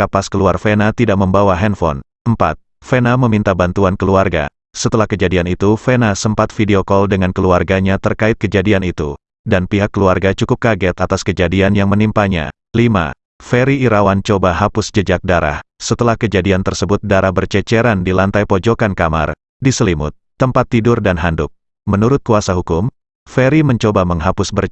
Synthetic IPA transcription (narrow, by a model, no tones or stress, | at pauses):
kapaskəluarfenat̪idaʔ̚məmbawaɦɛnfɔ̰n | əmpa̰t̪̚ | fenaməmint̪abant̪uankəluarɡa̰ | sət̪əlahkəd͡ʒadianit̪ufɛnasəmpat̪̚fideokɔldəŋankəluarɡaɲat̪ərkaɪt̪̚kəd͡ʒadianit̪u | danpiɦakːəluarɡat͡ʃukʊp̚kaɡɛt̪at̪askəd͡ʒadianjaŋmənimpaɲa̰ | lima̰ | fɛɾiːɾawant͡ʃobaɦapʊsd͡ʒəd͡ʒak̚daɾa̰hsət̪əlahkəd͡ʒadiant̪ərsəbʊt̪̚daɾahbərt͡ʃɛt͡ʃɛɾandilant̪ajpod͡ʒokankama̰r | disəlimʊ̰t̪̚ːəmpat̪ːidʊrdanɦandʊk̚ | mənuɾʊt̪̚kuasaɦukʊm | fɛɾiməɲt͡ʃobaməŋɦapʊsbər